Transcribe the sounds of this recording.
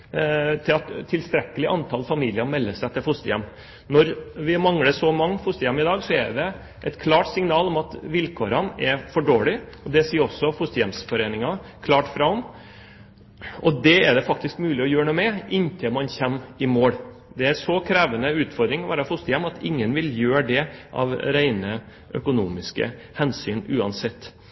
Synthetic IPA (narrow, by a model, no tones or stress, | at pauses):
t̪ʰɪlɑt̪t̪ʰːɪlst̪ɾɛkːəlɪʔɑnt̪ʰɑlfɑmiːlɪəɾmɛlːəsæɛt̪ːəfʊst̪əjɛ̰mː | nɔɾʋɪmɑŋɽəsɔmɑŋːfʊst̪əjɛmːɪd̪ɑːɡsɔɛ̰ɖɛ | ʔɛt̪kʰlɑːʈsɪŋnɑːlɔmɑt̪ʋɪlkʰoːɾənɛɾfɔɖoːlɪɔd̪ɛsiːɔsːɔfʊst̪əjɛmsfɔɾeːnɪŋɑkʰlɑːʈfɾɑʊm | ɔd̪ɛæɖɛfɑk̚t̪ɪskmʉːlɪɔjøːɳuːmɛʔɪnt̪ʰɪlmɑnçɛmːɪmoːɽ | d̪ɛæʂɔkʰɾæːʋənəʉːt̪fɔɾd̪ɾɪŋɔʋæ̰ːɾɑfʊst̪əjɛmːɑt̪ɪŋːənʋɪljøːɖɛʔɑ̰ʋɾæɪnə | ʔœ̰kʊnuːmɪskə̰ | hɛnsyːnʉːɑnsɛt̪ː